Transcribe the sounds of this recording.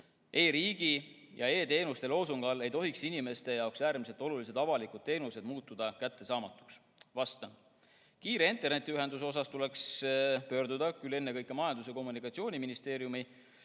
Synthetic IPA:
e̞ːɾiːɡ̥i | jɑ̰e̞ːt̪e̞ːnust̪e̞lo̞ːsuŋɡ̥ɑle̞jt̪o̞ɦiksinime̞st̪e̞jɑwksæːɾmise̞lt̪ːˑo̞lulise̞d̪ɑvɑlikˑud̥̪̚t̪ːe̞ːnuse̞d̪̥muːt̪ːˑud̪̥ɑkæt̪ːe̞sɑːmɑt̪ːˑu̥ks | vɑst̪ɑ | kiːɾe̞int̪ːˑe̞rne̞t̪ʲːˑiyɦend̪us̬o̞s̬ɑst̪ule̞kspø̞ːrd̪ud̪ɑkyle̞nːe̞kɤjkːˑemɑjɑnd̪us̬e̞ko̞mːunikˑɑt̪sio̞ːnʲiminist̪eːɾjumi

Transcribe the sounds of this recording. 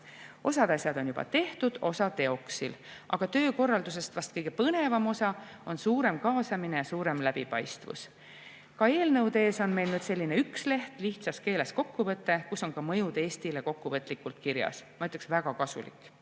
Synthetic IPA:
o̞sɑd̪ɑsjɑd̪o̞njub̥ɑ̰t̪e̞ht̪ud̪̥o̞sɑt̪e̞o̞ksilʔɑ̰ɡ̥ɑt̪ø̞ːko̞rːɑld̪us̬e̞st̪vɑst̪̚kɤjɡ̥e̞pɤne̞vɑmo̞sɑ | o̞nsuːɾe̞mkɑːsɑmine̞jɑsuːɾe̞mlæb̥ipɑ̰jst̪vṵs | kɑe̞ːlnɤwd̪eːso̞nme̞jlnyːd̪se̞lʲːineyksle̞ht̪liht̪sɑske̞ːle̞sko̞kːuvɤt̪ːˑe̞kusːo̞nkɑmɤ̞jud̪e̞ːst̪ile̞ko̞kːuvɤt̪ːˑlikːult̪kiɾjɑ̰smɑjt̪ːˑeksvæɡ̥ɑkɑsṵlḭkːˑ

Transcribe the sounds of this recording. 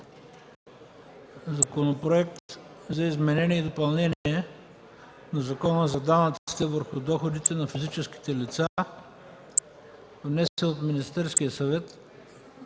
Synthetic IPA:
zɐkonopɾoɛk̚t̪zɐizmɛnɛnʲiɛid̪opɐlˠnɛniɛ | nɐzɐkɔnəzɐd̪anɐt̪i̥t̪ɛvəɾxʊd̪ɔxod̪it̪ɛnɐfizit͡ʃɛsk̟i̥t̪ɛlit̪sa | vnɛsɛot̪minist̪ɛɾskijəsɐvɛt̪

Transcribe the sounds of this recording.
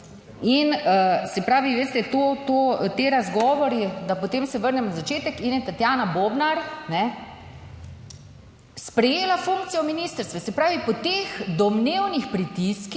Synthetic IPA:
inəsɛpɾaːʋiʋeːst̪ɛt̪ot̪ot̪eːɾazɡɔːʋɔɾid̪apɔt̪eːmsɛʋəɾnɛmnazat͡ʃeːt̪ɛkinjɛt̪at̪jaːnabobnaɾnɛ | spɾɛjeːlafuŋk̚t̪sijɔminiːst̪əɾst̪ʋɛsɛpɾaːʋipɔt̪eːxd̪ɔmnewnixpɾit̪iski

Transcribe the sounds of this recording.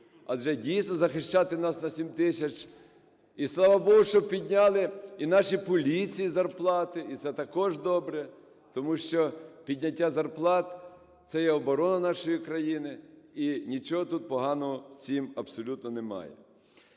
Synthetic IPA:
ɐʒɛdʲijsnɔzɐxɪʃt͡ʃɑt̪ɪnɑsnɐsʲimt̪ɪsʲɐt͡ʃ | islˠɑʋɐbɔɦʊʃt͡ʃɔb̚pʲid̪ʲnʲalˠɪinɑʃipɔlʲit͡sʲijizɐrplˠɑt̪ɪit̪sɛt̪ɐkɔʒd̪ɔbɾɛ | t̪ɔmuʃt͡ʃɔpʲid̪ʲnʲɐtʲːazɐrplˠɑt̪ | t̪sɛjɛɔbɔɾɔnɐnɑʃɔjikɾɐjinɪinʲit͡ʃɔɦɔt̪ut̪̚pɔɦɑnɔɦɔsʲimɐbsɔlʲut̪̚nɔnemɑ̰jɛ̰

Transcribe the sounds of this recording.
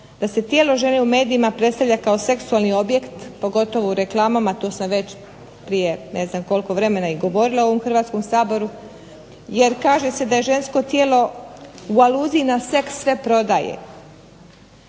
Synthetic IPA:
d̪̥ase̞t̪jeːlo̞ʒe̞ne̞ume̞ːd̪iimapɾe̞t̪st̪aʋʎʲakao̞se̞ksualnio̞bje̞kt̪po̞ɡo̞t̪o̞ʋouɾeklˠaːmamat̪oːsmoʋe̞t͡ɕ | pɾije̞ne̞znamko̞lko̞ʋɾe̞me̞naiɡo̞ʋo̞ɾileo̞ʋo̞mxr̩ʋaːt̪sko̞msaːbo̞ɾu | je̞ɾkaːʒe̞se̞d̪aje̞ʒe̞nsko̞t̪jeːlo̞ualuːziːnase̞ksːʋe̞pɾo̞d̪ajḛ

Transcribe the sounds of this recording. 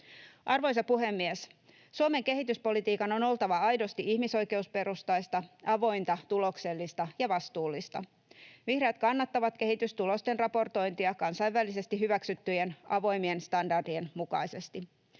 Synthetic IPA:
ʔɑrʋo̞jsɑpuɦe̞mːies | suome̞ŋke̞ɦit̪yspo̞lit̪iːkɑno̞no̞lt̪ɑʋɑɑjdo̞st̪iʔihmiso̞jkeuspe̞ɾust̪ɑjst̪ɑɑʋo̞jnt̪ɑt̪ulo̞kse̞lːist̪ɑjɑʋɑst̪uːlːist̪ɑ̰ | ʋihreːt̪̚kɑnːɑt̪ːɑʋɑt̪ke̞ɦit̪yst̪ulo̞st̪e̞nrɑpo̞rt̪o̞jnt̪iɑkɑnsɑjʋːælise̞st̪iɦyʋæksyt̪ːyjenʔɑʋo̞jmie̞nst̪ɑndɑrdienmukɑ̰jse̞st̪i

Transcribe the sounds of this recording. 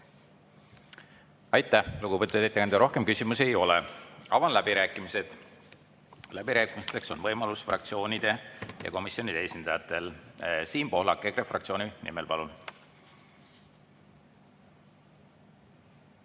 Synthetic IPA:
ɑjt̪ːˑæhluɡupət̪ːud̪et̪ːˑekænd̪ɑɾo̞hke̞mkysimuse̞jo̞leɑ̰vɑnlæb̥iɾæːkːˑimise̞d̪̥ | læb̥iɾæːkˑimist̪e̞kso̞nvɤjmɑlusfrɑ̰k̚t̪sio̞ːnid̪̥e̞jɑ̰ko̞misjo̞nid̪eesʲind̪̥ɑjɑt̪ːˑe̞lsiːmpo̞ɦlɑkːˑekɾefrɑ̰k̚t̪sio̞ːninḭmelpɑlun

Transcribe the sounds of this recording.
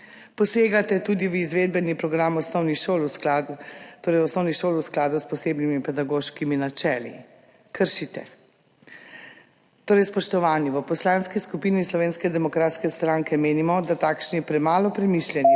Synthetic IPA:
pɔseːɡat̪ɛt̪ud̪iʋizʋeːd̪̚bɛnipɾɔɡɾamɔsnɔwniʃoːluskat̪oːɾɛjɔsnɔwniʃoːlusklaːd̪uspɔseːbnimipɛd̪aɡoːʃkiminat͡ʃɛːlḭ | kəɾʃit̪ɛ | t̪oːɾɛjspɔʃt̪ɔʋaːnjiʋəpɔslaːnskiskupinislɔʋeːnskɛd̪ɛmɔkɾaːt̪skɛst̪ɾãŋkɛmeːnimɔd̪at̪aːkʃnipɾɛmaːlɔpɾɛmiʃljɛni

